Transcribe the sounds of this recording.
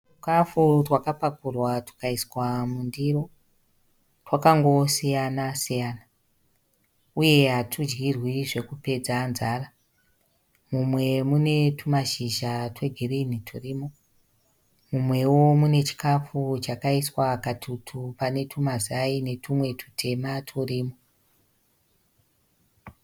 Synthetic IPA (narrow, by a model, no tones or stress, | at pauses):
tu̥kafutwakapakurwatu̥kaiswamundiro̞ | twakaŋɡo̞sijanasijaːna | uje̞ɦatʰud͡ʒɡirwiʐe̞kupe̞d͡zanzaːra | mumwe̞mune̞tʰumaʃiʒatwe̞ɡʱirinitʰuriːmo | mumwe̞womune̞t͡ʃi̥kafut͡ʃakaiswakatʰutʰupane̞tʰumazaine̞tʰumwe̞tʰu̥tʰe̞matʰuriːmo